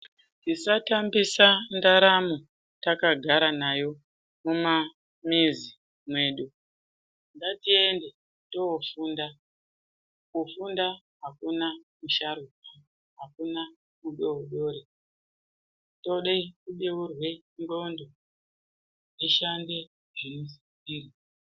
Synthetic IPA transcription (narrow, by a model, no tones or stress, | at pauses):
tisatambisandaɾamu | takaɡʱaɾanajo̞ | muma | mizi | mwe̞ːɗu | ndatiende̞ | to̞fuːnda | kufunda | ɦakunamuʃaɾuka | ɦakuna | muɗooɗo̞ɾe | toɗekuɗeurwe̞mbondo | jeʃande | ʐenusikiːri